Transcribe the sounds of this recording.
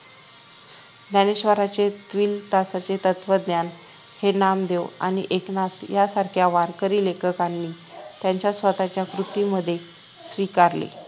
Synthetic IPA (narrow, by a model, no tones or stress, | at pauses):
d̪aneɕʋəɾat͡set̪ʋiːlt̪asat͡set̪ət̪ʋəd̪njan | henamd̪ewa̰ñḭʔeknat̪jasaɾkʰjaʋaɾkəɾiːlekʰəkanːiː | t̪jaɲt͡ɕjasʋət̪at͡ɕjakɾut̪iməd̪ʱːje | sʋikaɾlḛ